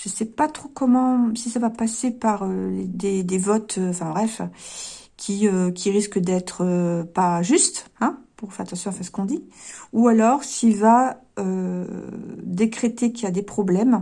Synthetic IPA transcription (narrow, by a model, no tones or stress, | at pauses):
ʒ̥əsɛpat̪χokɔmɑ̃sisavapasepaʁøled̪ed̪evɔt̪øɑ̃fɛ̃bʁɛf | kʲʰiøkʲiʁiskəd̪ɛt̪χəpaʒyst̪ɛ̃puʁfɛʁat̪ɑ̃sjɔ̃ɑ̃fɛ̃sə̥kɔ̃d̪iualɔʁsilva | ø | d̪ekχet̪ekiljad̪epχɔblɛm